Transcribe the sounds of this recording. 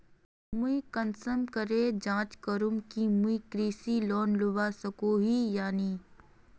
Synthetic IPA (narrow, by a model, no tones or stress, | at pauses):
mʊikənsəmkəɾed͡ʒãːt͡ʃkəɾʊmkimuikɾiːsilɔːnlʊʋasəkoɦijaːni